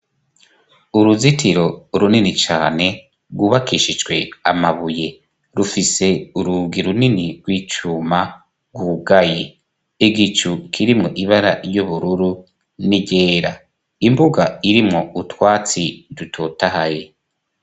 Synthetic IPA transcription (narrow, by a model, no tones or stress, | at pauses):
uɾuzitʰiɾo̞ɾuninit͡ʃa̰ːne̞ | ɡwuːβakʰiʃid͡ʒɡwe̞a̰maβuje̞ | ɾufise̞uɾubɡiɾuniniɾɡ̥wiːt͡ʃuːma | ɡwuɡaje | iɡit͡ʃukʰiɾimŋo̞ʔiβaɾaɾjuβuɾuɾu | niɟeːɾa | imbuɡaiɾimŋo̞utwaːt͡sidutʰotahaje̞